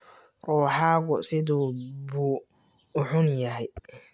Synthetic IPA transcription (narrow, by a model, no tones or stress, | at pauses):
ʔɔːħaːɣɔsɪðuːbuː | ʊħʊnjɐɦɛj